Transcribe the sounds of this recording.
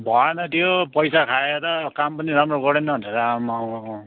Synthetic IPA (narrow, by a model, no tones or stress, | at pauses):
bʱʌenʌt̪ʰjopʌjsakʰaeɾʌkampʌniɾamroɡʌɽenʌbʱʌneɾʌamaw